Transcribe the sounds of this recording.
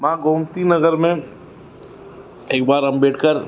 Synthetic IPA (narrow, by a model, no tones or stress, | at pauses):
mãːɡõːmt̪inɐɡəɾmẽ | eːkbaːɾɦɐmbeːʈʰkəɾ